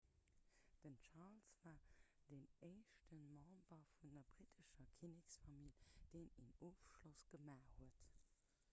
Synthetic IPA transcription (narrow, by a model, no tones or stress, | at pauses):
d̥ənt͡ʃalsvaːd̥emeɪʃtənmɑ̃mbɐfundɐbʁitʰəʃɐkʰiniksfɑmild̥eɪninoːfʃlosɡ̥əmaːhuət